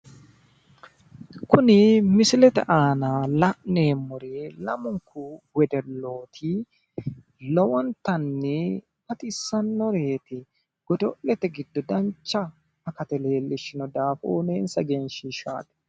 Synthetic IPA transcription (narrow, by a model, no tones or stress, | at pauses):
kʊnɪmɪsɪlɛt̪ɛ̰ʔaːnalɐʔneːmːɔɾeːlɐ̰mʊŋkʊwɛd̪ɛlːo̞ːt̪ʰɪ | lɔwɔnt̪ɐnːɛ | bɐt̪ʼɪsːɐnːɔɾeːt̪ɪ | ɡ̥ɔt̪ɔʔɛt̪ɛɡɪd̪ːɔd̪ɐnt͡ʃːɐ | ɐkɐt̪ɛle̞ːlːɪʃɪnɔd̪aːfo̰ːneːnsɐɡenʃiʃa̰ːd̪ɛ̥